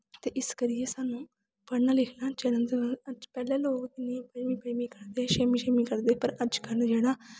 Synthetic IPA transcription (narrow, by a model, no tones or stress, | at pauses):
t̪eːʔɪskəɾɪeːsaːnũː | pəɽnaːlɪkʰnãːt͡ʃɛnənd̪eəəd͡ʒpɛːlɛ̃ːloːɡt̪ɪnĩːpəmĩːpəimĩːkəɽd̪eːʃeːmĩːʃeːmiːkəɾd̪eːpəɾəd͡ʒkəld͡ʒeːɽaː